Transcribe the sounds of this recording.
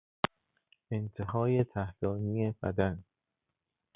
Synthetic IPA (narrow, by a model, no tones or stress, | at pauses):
e̞nt̪ʰeɦɒːje̞t̪ʰæhlɒːnije̞b̥æ̰d̪æn